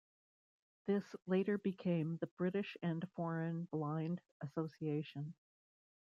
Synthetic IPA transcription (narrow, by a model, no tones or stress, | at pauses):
ðɪsleɪɾə˞bɨkʰẽɪ̃mðɨb̥ɹɪɾɨʃɨ̃nfɔɹɨ̃nblãɪ̃nd | ɨsoʊsieɪʃɨ̃n